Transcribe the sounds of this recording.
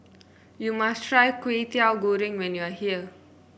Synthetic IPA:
jumastɹajkwet̪iawɡoɹɪ̃ŋwɛ̃njuahiə

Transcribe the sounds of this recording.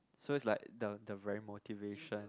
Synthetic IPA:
soɪtslaɪk̚dədəvɛɹimotiveʃə̃n

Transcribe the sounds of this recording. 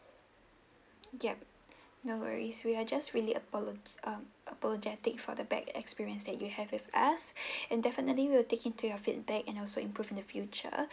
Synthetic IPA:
jɛp̚ | nowə̰ɹiswiad͡ʒastɹiliʔəpɔlʔãmʔəpɔlɔd͡ʒɛtɪk̚fɔ̰dəbɛ̰kɛ̰kspiɹiə̃nsdɛt̚juhɛvɪvasɛ̃ndɛfənətliwiwətekɪ̃ntujɔfit̚bɛkɛ̃nɔlsoĩmpɹuvĩndəfjut͡ʃə̰

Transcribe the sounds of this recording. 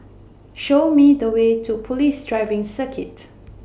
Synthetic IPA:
ʃomidəwetʰupʰɔlisdɹaɪvɪ̃ŋsəkʰɪt

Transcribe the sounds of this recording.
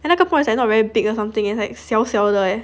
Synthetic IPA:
ɛ̃lakəpɔ̃ɪ̃nslanɔt̚vɛɹibikəsãmt̪ĩŋɛ̃nslaɪksɛlsɛldəɛ

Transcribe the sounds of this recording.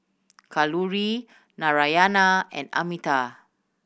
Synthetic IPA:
kaluɹi | naɹajanaɛ̰̃nda̰mita

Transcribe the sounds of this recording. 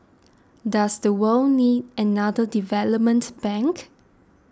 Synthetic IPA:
dasdəwəlnidənadədivɛləp̚mə̃ntb̥ɛ̃ŋk

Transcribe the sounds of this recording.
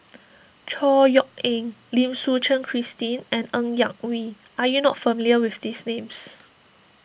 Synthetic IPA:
t͡ʃʰɔjɔk̚ɛ̃ŋlĩmsut͡ʃə̃nkʰɹistĩnɛ̃nə̃ŋjãŋwi | ʔajunɔtfəmiliəwifdisnẽms

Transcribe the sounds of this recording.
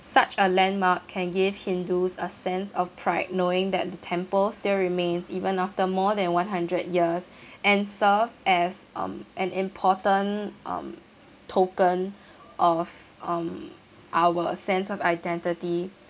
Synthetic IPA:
sat͡ʃəlɛ̃nmakʰːɛ̃nɡɪvhĩndusəsɛ̃nsɔfpʰɹaɪt̚noɪ̃ŋdɛ̰t̚d̪ətʰɛ̃mpəlstilɹimẽnsivə̃naftəmɔdɛ̃nwãnɦãndɹəd̚jiəsʔɛ̃nsəvɛzʔʌ̰̃mʔɛ̃nɪ̃mpʰɔtə̃nʔʌ̰̃m | tʰokə̃n | ʔɔvʌ̃m | ʔawəsɛ̃nsɔvaɪdɛ̃ntɪti

